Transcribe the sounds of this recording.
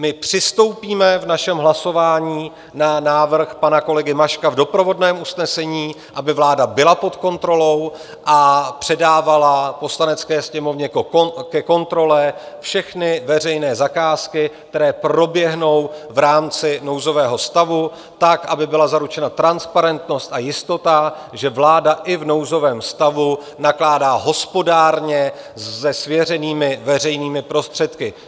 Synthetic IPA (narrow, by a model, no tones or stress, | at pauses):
mɪpr̥ɪst̪o̞wpiːmɛvnaʃɛmɦlaso̞vaːɲiː | nanaːvr̩xpanako̞lɛɡɪmaʃkavdo̞pɾo̞vo̞dnɛːmʔusnɛsɛɲiː | ʔabɪvlaːdabɪlapo̞t̪ko̞nt̪ɾo̞lo̞w | ʔapr̝̥ɛdaːvalapo̞slanɛt͡skɛːsɲɛmo̞vɲɛkɛko̞nt̪ɾo̞lɛ | fʃɛxnɪvɛr̝ɛjnɛːzakaːskɪk̚t̪ɛɾɛːpɾo̞bjɛɦno̞wvɾaːmt͡sɪno̞wzo̞vɛːɦost̪avu | t̪akʔabɪbɪlazaɾut͡ʃɛnat̪ɾanspaɾɛnt̪no̞st̪ajɪst̪o̞t̪a | ʒɛvlaːdaʔɪvno̞wzo̞vɛːmst̪avu | naklaːdaːɦo̞spo̞daːɾɲɛ | ɛsvjɛr̝ɛniːmɪvɛr̝ɛjniːmɪpɾo̞st̪r̝̥ɛt̪kɪ